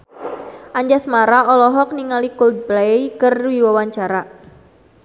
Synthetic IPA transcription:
ʔaɲd͡ʒasmaɾaɔlɔɦɔk̚niŋalikold̪̚blaeikərwiwawaɲt͡ʃaɾa

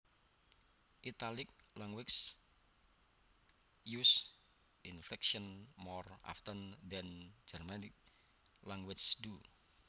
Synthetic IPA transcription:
ʔit̪alɪk̚laŋwɪks | jus | ʔinflɛkʃɔnmɔra̰ft̪əndɛnd͡ʒərmanɪk̚ | laŋwɪt͡ʃdu

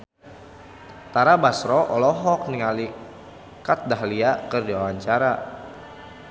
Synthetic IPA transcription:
t̪aɾabasɾɔʔɔlɔɦɔk̚niŋali | kat̪̚daɦliakərdiwawaɲt͡ʃaɾa

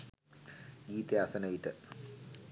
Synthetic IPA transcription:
ɡiːt̪jaːsɐnɐʋiʈːɨ

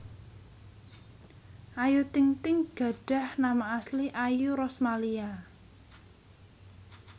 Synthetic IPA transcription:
ʔajut̪ɪŋt̪ɪŋɡ̥ä̤ɖ̥a̤hnamaːsliʔajuɾɔsmalia

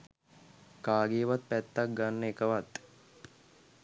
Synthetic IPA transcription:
kaːɡeːʋat̪̚pæt̪ːak̚ɡanːəekəʋat̪

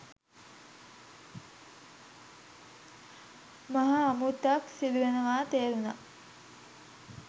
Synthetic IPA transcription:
maɦaːmut̪ːaksid̪uʋenəʋaːt̪eːɾuna̰

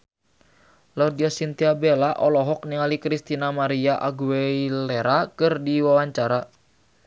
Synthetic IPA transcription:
laudiasint̪iabelaʔɔlɔɦɔk̚niŋalikɾist̪inamaɾiaʔaɡuɛileɾakɨrdiwawaɲt͡ʃaɾa

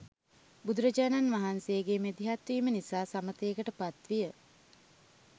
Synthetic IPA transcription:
bud̪uɾəd͡ʒaːnanʋaɦansejːɡemed̪iɦat̪ʋiːmənisaːsamət̪əːkəʈəpat̪ʋijə

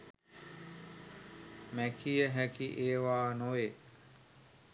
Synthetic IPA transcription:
mækijəɦækiʔeːʋaːnoʋe

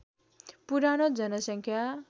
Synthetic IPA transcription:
puɾanod͡zʌnʌsʌŋkʰja

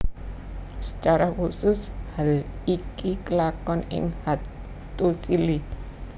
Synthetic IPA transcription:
sə̥t͡ʃaɾakusʊshaikikəlakɔnɪ̰ŋha | t̪usili

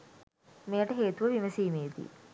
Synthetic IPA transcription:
mejəʈəɦeːt̪uʋəʋimɐsiːmeːd̪ḭː

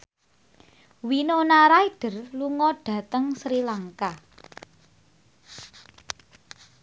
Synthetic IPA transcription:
winonaɾaiɖ̥ə̤rluŋɔɖ̥ä̤t̪əŋsɾilaŋka

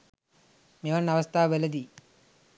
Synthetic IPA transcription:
meʋɐnːɐʋɐst̪ʰaːʋelɐd̪i

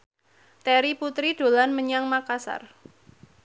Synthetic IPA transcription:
t̪ɛɾiput̪ɾid̥o̤lanməɲaŋmakasa̰r

